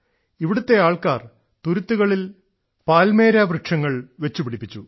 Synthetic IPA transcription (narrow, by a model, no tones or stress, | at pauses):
iʋiɽut̪ːe̞aːɭkaːr | t̪uɾut̪ːuɣɐɭil | paːlme̞ːɾaːbrɨkʂɐŋːɐɭʋe̞t͡ɕːupiɽipːit͡ɕːu